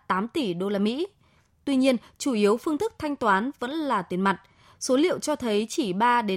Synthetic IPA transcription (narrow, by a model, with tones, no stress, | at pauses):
t̪aː˨˦mt̪i˧˩ɗo˧laː˧˩mḭ˧˥ | t̪wi˧ɲi˧ənt͡ɕu˧˩ʔi˨˦əwfɨ˧əŋt̪ɨ˦˥k̚t̪ʰa˧jŋ̟t̪waː˨˦nvə̰˧˥nlaː˨˩t̪i˨˦ənma˨˩jt̟̚ | so˨˦lḭ˧˨əwt͡ɕɔ˧t̪ʰə˨˦jt͡ɕi˧˩ɓaː˧ɗe˨˦